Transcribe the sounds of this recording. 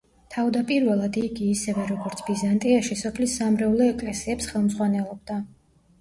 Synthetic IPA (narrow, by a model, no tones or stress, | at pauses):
t̪ʰavd̪apʼiɾvɛlˠad̪iɡiːsɛvɛɾɔɡɔɾt̪sʰbizant̪ʼiaʃisɔpʰlisːamɾɛulɛɛkʼlɛsiɛpsχɛlˠmzʁwanɛlˠɔb̚d̪a